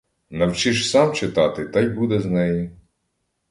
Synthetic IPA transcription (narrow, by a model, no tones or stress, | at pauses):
nɐwt͡ʃiʃsɑmt͡ʃɪt̪ɑt̪ɪt̪ɑjbud̪ɛznɛji